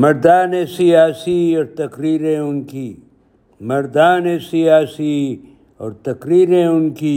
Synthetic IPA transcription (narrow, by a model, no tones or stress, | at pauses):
mɐɾd̪aːnẽsijaːsiɔːɾt̪ɐkɾiːɾẽʊnkiː | mɐɾd̪aːnẽsijaːsi | ɔ̰ːɾt̪ɐkɾiːɾẽʊnkiː